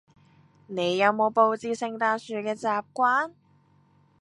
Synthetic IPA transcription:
ne˨˧jːɐ˨˧wmo˨˧wpo˧wt͡siː˨˧sɪ˨˧ŋt̪aː˧nsyː˨˧kɛː˧t͡saː˨˧p̚kʷaː˥n

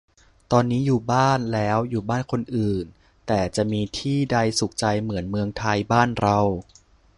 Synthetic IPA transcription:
t̪ɔː˧nːiː˦˥juː˨˩baː˥˩nlɛː˦˥wjuː˨˩baː˥˩nkʰo˧nʔɯː˨˩n | t̪ɛː˨˩t͡ɕa˨˩ʔmiː˧t̪ʰiː˥˩da˧jsu˨˩k̚t͡ɕa˧jmɯ˩˦ənmɯ˧əŋt̪ʰa˧jbaː˥˩nɾa˧w

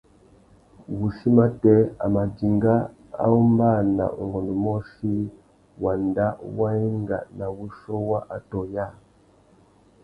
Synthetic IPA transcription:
wu˨ʃi˦ma˦tɛ˦a̰˨ma˨d͡ʒi˨ŋɡa˦ | a̰˦u˦mba˦˨na̰˨ṵ˨ŋɡɔ˨nu˨mɔ˦ʃi˦ | wa˨nda˦wa˦i˦ŋɡa̰˨na˨wu˦ʃɔ˦wa˦ʔa˨tɔ˨ja˦

